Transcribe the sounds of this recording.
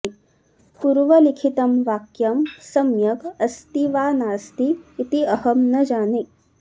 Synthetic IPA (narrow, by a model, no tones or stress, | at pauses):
puɾʋɐlikʰit̪ɐmʋaːkjɐmsɐmjɐɡɐst̪iʋaːnaːst̪iːt̪iɐhɐmnɐd͡ʒaːne